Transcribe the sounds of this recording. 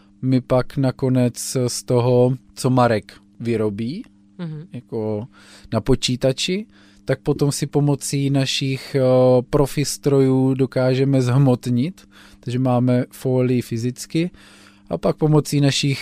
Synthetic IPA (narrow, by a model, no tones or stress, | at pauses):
mɪpaknako̞nɛt͡sst̪o̞ɦo̞t͡so̞maɾɛk | vɪɾo̞biː | jako | napo̞t͡ʃiːt̪at͡ʃɪ | t̪ak̚po̞t̪o̞msɪpo̞mo̞t͡siːnaʃiːxpɾofɪst̪ɾo̞juːdo̞kaːʒɛmɛzɦmot̪ɲɪt̪ | t̪aɡʒɛmaːmɛfoːlɪjɪfɪzɪt͡skɪ | ʔapak̚po̞mot͡siːnaʃɪx